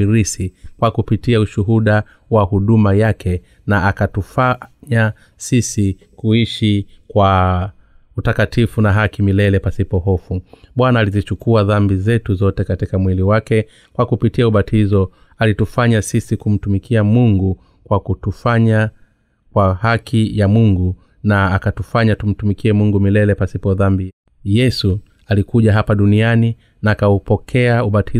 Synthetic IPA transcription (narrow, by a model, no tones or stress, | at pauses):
iɾisikwakupitiauʃuɦuɗa | wahuɗumajakɛ | naakatufaɲa | sisi | kuiʃikwa | utakatifunaɦakimilɛlɛpasipɔɦɔfuɓwanaːlizit͡ʃukuaðambizɛtuzɔtɛkatikamwiliwakɛ | kwakupitiauɓatʰizɔ | alitufaɲasisikum̩tumikʰiamuŋɡu | kwakutufaɲa | kwahakʰijamuŋɡu | naakatufaɲatum̩tumikiɛmuŋɡumilɛlɛpasipɔðambi | jɛsu | alikuʄaɦapaɗuniani | naːkaupɔkʰɛauɓatʰi